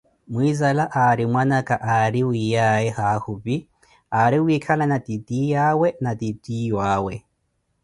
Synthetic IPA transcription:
mwizalaʔaɾimwanakʼaʔaɾiwijaɛhahupi | aɾiwikʰalanatʼitʼijawɛnatʼitʼijwaːwɛ

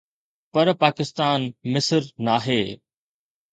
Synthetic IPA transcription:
pɐɾpaːkɪst̪aːnmɪsəɾnaːɦeː

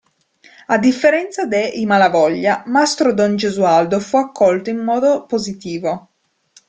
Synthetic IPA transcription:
ad̪ːifːeɾɛnt̪sad̪eimalavɔʎːamast̪ɾod̪ond͡ʒezuald̪ofuakːɔlt̪oimːɔːd̪opozit̪iːvo

